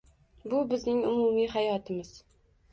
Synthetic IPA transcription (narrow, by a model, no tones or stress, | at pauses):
bʊbɪznɪŋʊmʊmiɦajɒt̪ʰɪmɪz̥